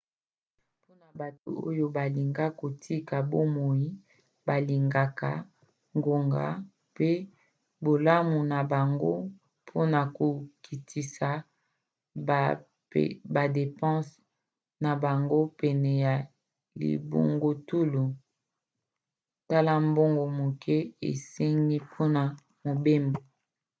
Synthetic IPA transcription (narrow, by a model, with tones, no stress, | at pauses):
po˦na˨ba˨to̰˨o̰˦jo˦ba˨li˨ŋɡa˦ko˨tʰi˦ka˨bo˦mo˨ji˦ | ba˨li˨ŋɡa˨ka˨ | ŋɡo˨ŋɡa̰˨˦ | pe˦ | bo˨la˦mu˨na˨ba˨ŋɡo˦ | pʰo˦na˨ko˨kʰi˨tʰi˨sa˨ | ba˨de˨pɑ̃˦s | na˨ba˨ŋɡo˦pɛ˨nɛ˨ja˨ | lḭ˨bo̰˨ŋɡo˨tu˦lu˨ | ta˦la˦mbo˦ŋɡo˨mo˨kʰɛ˦ḛ˨se˦ŋɡi˦pʰo˦na˨ | mo˨be˦mbo˨